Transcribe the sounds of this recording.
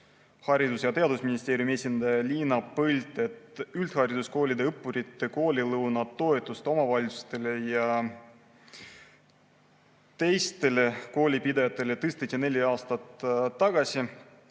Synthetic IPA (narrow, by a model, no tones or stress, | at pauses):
hɑɾid̪usjɑt̪e̞ɑd̪usminist̪e̞ːɾʲijumie̞ːsʲind̪̥ɑjɑlʲiːnɑpɤlʲt̪ˑe̞t̪ylt̪hɑɾid̪usko̞ːlʲid̪eɤpːuɾit̪ːˑeko̞ːlʲilɤwnɑːo̞e̞t̪ːˑust̪o̞mɑvɑlʲisu̥st̪e̞le̞jɑ | t̪e̞jst̪e̞le̞ko̞ːlʲipid̪ɑjɑt̪ːˑe̞le̞t̪ɯst̪et̪ʲiɑne̞lʲiɑːst̪ɑt̪ːɑɡ̥ɑsʲi